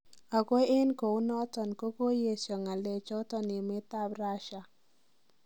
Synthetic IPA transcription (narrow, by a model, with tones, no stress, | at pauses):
a˨ko˦e˦nko˨u˦nɔ˦t̪ɔ˨nko˦ko˦je˦˨sjɔ˨ŋa˨le˨t͡ʃɔ˦t̪ɔ˦nɪ˨mɪ˦t̪a˦bɾa˦ʃa˨